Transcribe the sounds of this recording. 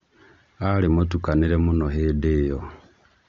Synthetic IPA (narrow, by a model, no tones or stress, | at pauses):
alimotukaniɾemunoɦidijo